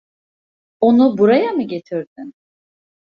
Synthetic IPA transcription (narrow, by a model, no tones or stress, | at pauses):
o̞nubuɾajamɯɟe̞t̪ʰiɾd̪yn